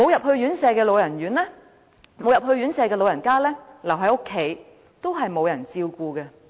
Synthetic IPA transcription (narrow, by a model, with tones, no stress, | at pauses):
mo˨˧wjɐ˨p̚hɵ˧ɥɥyː˨˥nsɛː˨˧kɛː˧lo˨˧wjɐ˨˩nɥyː˨˥nlɛː˥ | mo˨˧wjɐ˨p̚hɵ˧ɥyː˨˥nsɛː˨˧kɛː˧lo˨˧wjɐ˨˩nkaː˥lɛː˥lɐ˨˩wɦɐ˨˥jʊ˥kʰːe˨˥j | t̪o˥wɦɐ˨jmo˨˧wjɐ˨˩nt͡siː˧wkuː˧kɛ˧